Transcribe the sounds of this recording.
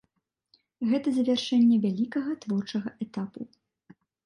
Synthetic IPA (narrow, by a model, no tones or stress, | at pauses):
ɣɛt̪ɐzɐvʲarʂɛnʲːɛvʲalʲikɐɣɐt̪vɔrt͡ʂɐɣɐʔɛt̪apu